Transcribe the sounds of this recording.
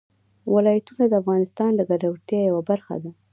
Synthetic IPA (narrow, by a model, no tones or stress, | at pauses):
wɪlɑjat̪unad̪əafɣɑnɪst̪ɑnlaɡaɖawt̪jɑjawabaɾxa̰d̪a